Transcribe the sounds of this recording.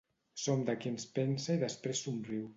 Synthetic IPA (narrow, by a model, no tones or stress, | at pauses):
somd̪əkinspensaiðəspɾesːumriw